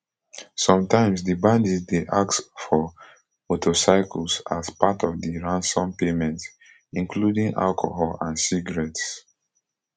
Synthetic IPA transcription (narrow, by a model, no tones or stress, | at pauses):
sɔ̃mtãɪ̃msdibãndizdeʔaksfɔ | motosaɪkʰəlsazpatʰɔvdiɹãnsɔ̃mpemɛ̃nts | ĩŋkludĩŋʔa̰lkʰo̰hɔlãnsiɡəɹɛts